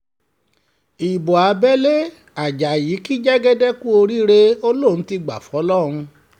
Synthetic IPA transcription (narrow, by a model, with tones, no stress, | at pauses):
i˨bɔ˨a˧bɛ˦le˦ | a˨d͡ʒa˨ji˨˦ki˦d͡ʒɛ˦ɡɛ˦dɛ˦ku˦o˧ɾi˦ɾe˧o˧lõ˦˨˦ti˧ɡ͡ba̰˨fɔ˨˦lɔ˦˨ɾ̃ũ˧